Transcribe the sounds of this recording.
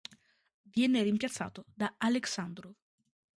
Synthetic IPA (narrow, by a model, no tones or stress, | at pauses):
vjɛneɾimpjat̪sːa̰ːt̪od̪aaleksand̪ɾo